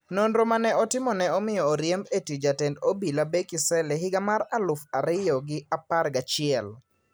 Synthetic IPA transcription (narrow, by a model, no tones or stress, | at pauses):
nonɾomanɛʔɔtɪmɔnɛɔmɪjɔːɾjɛmbetid͡ʒatɛndobilabekɪsɛlɛɦɪɡamaɾalʊfaɾɪjɔɡɪapaɾɡat͡ʃɪɛl